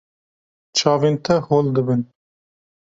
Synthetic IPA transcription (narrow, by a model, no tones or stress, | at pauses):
t͡ʃʰɑːvint̪ʰɐhold̪ɨbin